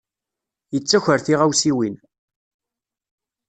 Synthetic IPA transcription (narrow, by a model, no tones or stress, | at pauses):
jət͡sːæçʷəɾθiʁæwsiwin